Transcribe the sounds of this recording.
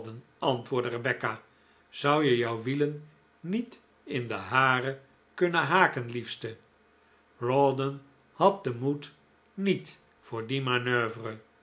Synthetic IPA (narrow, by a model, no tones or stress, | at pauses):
dən | ɑntʋʊːɹdərəbɛka | z̥ʌwjəjʌwʋilən | nit | ɪndəɦaːrə | kɵnəɦaːkənlifstə | rɔdən | hɑt̚dəmut | nit | fʊːɹdimanøːvərə